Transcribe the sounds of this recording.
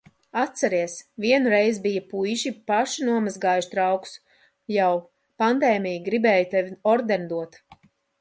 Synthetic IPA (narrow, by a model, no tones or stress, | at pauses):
at̪t̪sɛɾiɛsvʲiɛnuɾɛjzbijapujʒipaʃinuɔmazɡaːjuʃt̪ɾawku̥s | jaw | pand̪ɛːjmʲijiɡɾibɛːjut̪ɛvʲiɔɾd̪end̪uɔt̪